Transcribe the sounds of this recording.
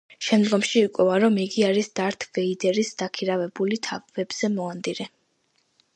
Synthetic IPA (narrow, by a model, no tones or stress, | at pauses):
ʃɛmd̪ɡɔmʃiːkʼɔaɾɔmiɡiaɾisd̪̥aɾt̪ʰvɛid̪ɛɾisd̪akʰiɾavɛbulit̪ʰavvɛbz̥ɛmɔand̪iɾɛ